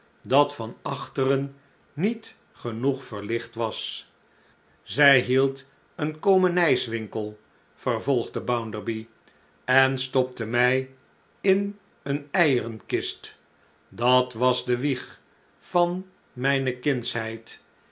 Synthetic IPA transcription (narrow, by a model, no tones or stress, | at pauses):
dɑtfɑnɑχtərənː | it | χənuχfəɹlɪχtʋɑs | zɛjɦilˠt | ənkowmənɛjsʋɪŋkəlˠ | fəɹvɔlˠχdəbawndəɹbi | ɛnstɔp̚təmɛj | ɪn | ənɛjərənkɪst | dɑtʋɑzdəʋiχ | fɑn | mɛjnəkɪnsɦɛjt